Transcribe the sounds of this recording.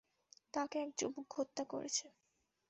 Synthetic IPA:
t̪akeɛk̚d͡ʑobuɡʱot̪ːako̰ɾḛt͡ɕʰe

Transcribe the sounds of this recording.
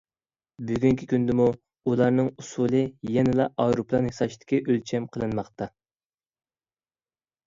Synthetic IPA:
byɡʲyŋkʲʰikʲynd̪ɪmu | ulˠɑɾnɨŋusulˠɨjɛnɪlɑʔɑjɾuplˠɑnhesɑʃid̪ɪ̥kʲiʔølt͡ʃʰɛmqʰəlˠɨnmɑχt̪ɑ

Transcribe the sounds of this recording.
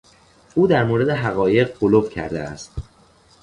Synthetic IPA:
uːd̪æɾmoːɾe̞d̪e̞ɦæɣɒːje̞ɢbolofcʰæ̰ɾd̪ḛæ̰st̪

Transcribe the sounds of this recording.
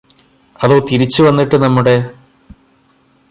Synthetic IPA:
ɐðo̞ːt̪iɾit͡ɕːɨʋɐnːiʈːɨnɐmːuɽe̞

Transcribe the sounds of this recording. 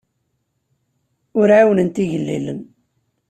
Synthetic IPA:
ʊɾʕawnənt̪iʝəlːḭlə̰n

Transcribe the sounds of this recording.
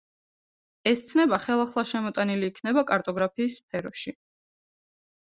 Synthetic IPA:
ɛst̪sʰnɛbaχɛlˠaχlˠaʃɛmɔt̪ʼaniliːkʰnɛbakʼaɾt̪ʼɔɡɾapʰiːsːpʰɛɾɔʃi

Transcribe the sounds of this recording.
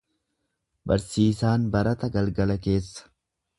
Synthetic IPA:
bɐ̰ɾsiːsaːnbɐɾɐt̪ɐɡɐlɡɐlɐke̞ːsːɐ̥

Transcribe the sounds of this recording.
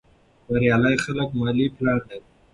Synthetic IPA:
baɾjɑːlajxalakmɑliplɑɽd̪ai

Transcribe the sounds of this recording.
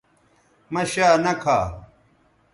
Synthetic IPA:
mɐɕaːnɐkʰaː

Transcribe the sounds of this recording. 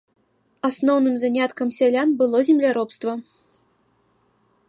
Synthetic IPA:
asnɔwnɨmzanʲat̪kɐmsʲalʲanbɨlˠɔzʲɪmlʲaɾɔpst̪vɐ

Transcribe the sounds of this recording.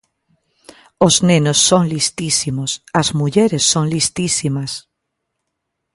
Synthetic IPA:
oznẽnosːoŋlist̪isimosazmuʎeɾesːoŋlist̪isimas

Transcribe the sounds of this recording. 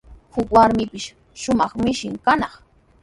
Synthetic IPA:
hʊkwaɾmɪpɪʃ | ʃʊmɑχmɪʃɪŋkanɑχ

